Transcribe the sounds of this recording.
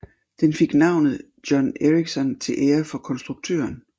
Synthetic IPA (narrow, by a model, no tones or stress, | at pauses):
d̥enfe̝ɡ̥nɑ̈ʊ̰nð̩ˠ | d̥jɒ̽neʁiɡ̥sɒnt͡sʰe̝lʔeːɐfɒ̽kʰɒ̽nsd̥ʁuɡ̥̚t͡sʰø̰ːɐn